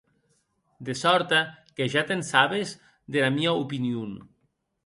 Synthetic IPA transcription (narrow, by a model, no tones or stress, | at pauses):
d̪esɔɾt̪akeʒat̪ensaβez | ðelamiaupiniun